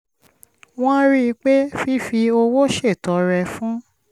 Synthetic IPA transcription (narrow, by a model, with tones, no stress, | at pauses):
w̃ɔ̃˦ɾi˦˧k͡pe˦fi˦fi˧o˧wo˦ʃe˦˨tɔ˨˦ɾɛ˧fũ˦